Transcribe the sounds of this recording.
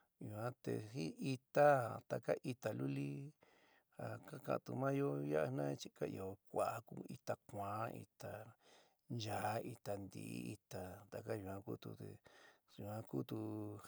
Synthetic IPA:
ju˧˨ã˦t̪ḛ˧hi˦i˧t̪a˦t̪a˧ka˦ʔi˧t̪a˨lu˦li˦ | ha˧˨ka˦kã̰˧˨t̪u˧mã˦jo˦ja˦ʔa˧nã˦t͡ʃi˦ka˦ḭ˧˨o˨kʷa˨˦ku˦˧i˧t̪a˧kʷãː˨˦ʔḭ˧t̪a˧ | nd͡ʒa˨˦i˧t̪a˧nd̪ḭ˨˦i˧t̪a˨t̪a˧ka˦jũ˧ã˧ku˦t̪ṵ˧t̪ḛ˨jũ˨ã˧ku˦t̪u˧

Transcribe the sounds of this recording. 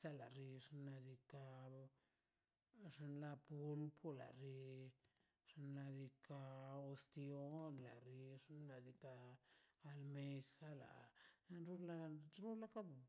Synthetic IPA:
sa˦la˨ɾi˧ʂna˧d̪i˧ka˧ | ʐa˧nla˧pu˧lpʰo˦la̰˨ɾi˧ | ʂa˧nla˧d̪i˧ka˧o˧st̪i˧o˦nla˨ɾi˧ʂnːa˧d̪i˧kaː˧ | lme˧xa˦la̰˨˧ɾu˦la˧ɾu˦la˦ka˦b

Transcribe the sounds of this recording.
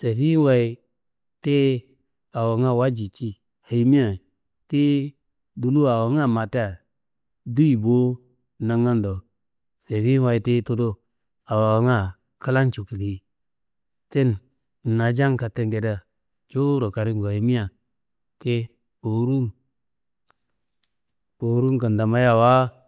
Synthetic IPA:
se˨fi˦wa˨i˦ | te˦ | a˨wa˨ŋa˦˨wa˦d͡ʒi˨t͡ʃi˦ | ha˨i˨mi˦a˨ | te˦ | du˨lu˦a˨wa˨˦ŋa˦˨ma˨te˦a˨ | du˦i˨bo˦ | na˨ŋa˦ndo˨ | se˨fi˦wa˨i˨te˦to˦do˦ | a˨wa˨wa˨ŋa˦˨ | kə˦la˦nt͡ʃu˨ki˨li˨ | te˦n̩˨ | na˨d͡ʒa˦ŋka˨te˨ŋɡe˨da˦˨ | d͡ʒo˦ɾo˨ka˨ɾi˦ŋɡo˨a˨ji˨mi˦a˨ | te˦ | po˨˦ɾu˦ŋ | po˨˦ɾu˦ŋkə˨nda˨ma˦ja˦˨wa˦

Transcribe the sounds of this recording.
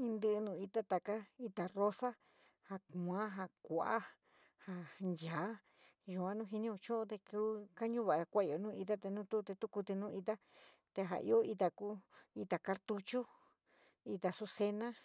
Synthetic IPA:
ĩ˧nd̪ɨ˦˧ʔnũ˧˨i˧t̪a˦t̪a˨ka˦i˧t̪a˨ro˦sa˦ | ha˧kã˨˦ɦa˧kʷa˨ʔa˦ | ha˧nd͡ʒa˨˦ | ʒu˧ã˦nũ˦ɦi˧nĩ˦o˧t͡ʃõ˦õ˦t̪e˧kuː˦ka˦ɲũ˦βa˨ʔkʷa˦i˧o˨nũː˦˧i˧t̪̬a˦t̪e˧nũ˦t̪u˦˧t̪e˧t̪u˦ku˧t̪i˧nũ˦i˧t̪a˦ | t̪e˧ɦa̰˨ʔḭ˧˦o˦i˧t̪a˧ku˦i˧t̪a˨ka˧ɾt̪u˧t͡ʃu˦ | i˧t̪a˨su˧se˧nã˦

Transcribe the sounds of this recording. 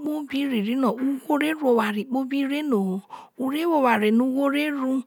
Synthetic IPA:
k͡po˦bi˦ɾi˨ɾi˨˦nɔ̃˨u˧wo˦ɾe˦ɾu˦o˧˨wa˨ɾi˨k͡po˦bi˦ɾe˦no˨u˧ɾe˦wo˧˨wa˨ɾe˨nũ˧˦wo˦ɾe˦ɾu˧

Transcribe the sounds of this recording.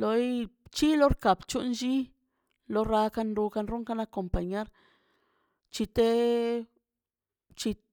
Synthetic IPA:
lo˧jt͡ʃi˦lo˦ɾka˨bt͡ʃu˦nʃi˦ | lo˦ɾa˧ka˧nɾu˧ka˧nɾu˦ŋka˦na˦ko˨mpa˨ɲe˦ɾ | t͡ʃi˧t̪e˦ | t͡ʃi˧

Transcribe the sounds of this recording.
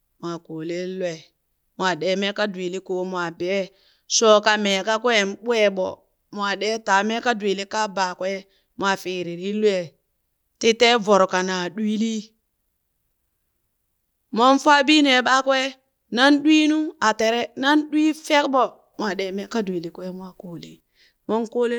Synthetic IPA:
mwa˨ko˨le˦lwe˨ | mʷ˨a˨ɗe˨me˦ka˦dwi˨li˦ko˨mwa˨be˨˦ | so˦ka˨me˨ka˦kwe˦˨n˦ɓu˦e˦ɓɔ̰˨ | mʷ˨a˨ɗɛ˦ta˨me˦ka˦dwi˨li˦ka˦ba˨kwe˦ | mwa˨fi˨ɾi˨ɾi˦lwe˨ | ti˦te˦vo˨ɾka˨na˨ɗwi˦li˦ | mo˦nfʷa˦bi˦ne˨ɓa˦kwe˦ | na˦nɗwi˦nu˦a˨te˨ɾe˦na˦nɗwi˦fe˦kɓo˨ | mʷ˨a˨ɗe˨me˦ka˦di˨li˨kwe˦mwa˨ko˨˦li˨ | mo˦nko˦li˦

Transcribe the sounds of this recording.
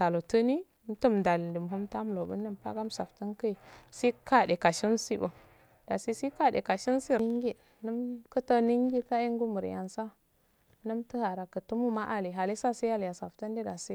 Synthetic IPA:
ta˨lo˨tə˦ni˦ | tə˦mda˨li˨də˨m˨ɦu˦mta˦m˦lo˨bə̰˦nːə˦mpa̰˦ɡa˦m˦sa˨ftə˦nkə˦i˨si˦ka˦˨de˨ka˨ʃi˦nsi˦bə˨ | d̥a˨si˦si˦ka˦dḛ˨ka˨ʃi˦nsi˦ŋɡi˦ | nə˦mkə˦tə˦ni˦ŋɡi˦ka˦i˦ŋ˦ɡu˦mə˨ɾ̰ja̰˨nsa˦ | nə˦mtə˦ha˨ɾa˨kə˨tu˦mu˦ma˦ʔa˦li˨ɦa˨li˦sa˦si˦ja˦lja˨sa˨fta˦ndi˦da˨si˦

